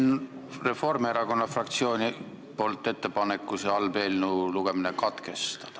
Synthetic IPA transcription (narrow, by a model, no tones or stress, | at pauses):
nre̞fo̞rmeɾɑko̞nːɑfrɑkt̪sio̞ːnʲi | po̞ːlt̪ːˑe̞t̪ːe̞pɑne̞kːˑuseɑlb̥e̞ːlnuluɡ̥e̞minekɑt̪ke̞st̪ɑ̥d̪̥ɑ